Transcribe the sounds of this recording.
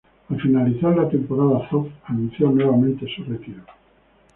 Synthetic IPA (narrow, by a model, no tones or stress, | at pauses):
alfinaliθaɾlat̪e̞mpoɾaðaθopanũn̟θjonweβ̞amẽnt̪esuret̪iɾo